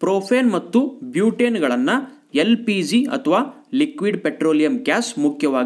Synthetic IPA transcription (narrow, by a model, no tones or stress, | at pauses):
pɾoːpʰeːnmɐt̪ːubjuːʈeːnɡɐɭɐnːɐ | elpid͡ʒiɐ̰t̪ʰɐʋaː | likʋiɖpeʈɾoːlijɐmkaːsmukʰjɐʋaːɡi